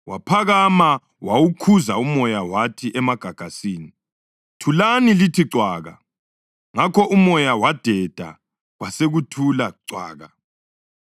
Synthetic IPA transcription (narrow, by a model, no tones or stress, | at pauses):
wapʰaɣama | wawukʰuzaumɔjawatʰiʔɛmaɡ̥ʱaɡ̥ʱasiːni | tʰulanilitʰiǀwaːɣa̰ | ŋakʰɔʔumɔjawad̥ʱɛd̥ʱa̰ | ɣwaseɣutʰulaǀwa̰ːɣa